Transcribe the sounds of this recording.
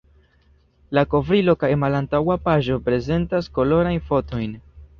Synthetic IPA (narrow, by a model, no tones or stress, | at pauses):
lako̞vɾilo̞kajmalantawapaʒo̞pɾe̞ze̞ntasko̞lo̞ɾajnfo̞to̞jn